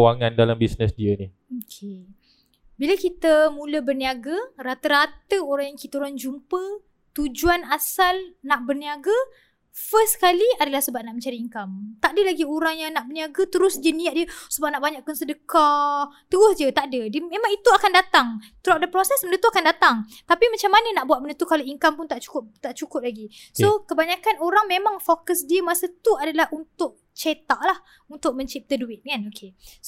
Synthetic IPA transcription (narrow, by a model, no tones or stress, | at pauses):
waŋandalambisnəsdiəni | okʰe | biləkit̪əmũləbərniaɡarat̪əɾat̪əoɾaŋjaŋkit̪əuɾand͡ʒumpə | t̪ud͡ʒuanasalnaʔbərniaɡa | fəskaliadəlahsəbaʔ̚naʔmə̃ɲt͡ʃaɾiːŋkamt̪aʔdəlaɡioɾaŋjaŋnaʔbərniaɡat̪əɾʊsdəniaʔ̪̚diəsəbap̚naʔbaɲaʔkansədəkat̪uɔsd͡ʒət̪aʔdədəmẽmãŋit̪uakandat̪aŋ | t̪ɾap̚dəpɾosɛsməndət̪uakandat̪aŋt̪apimat͡ʃamːanənaʔbuat̪̚mənət̪ukalaiŋkampʊnt̪aʔt͡ʃu̥kʊp̚t̪aʔt͡ʃukʊp̚laɡisokəbaɲakanoɾaŋmẽmaŋfokəsdiəmasət̪uadalahunt̪ʊʔ̚ | t͡ʃet̪aʔlah | unt̪ʊk̚mə̃ɲt͡ʃip̚t̪əduɪt̪̚kanokʰe